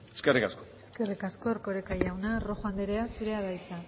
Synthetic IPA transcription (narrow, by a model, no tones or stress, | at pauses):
eskerikaskoe̞ske̞rikasko̞eɾko̞ɾekajawnaro̞xoand̪eɾe̞asuɾe̞aðajt͡sa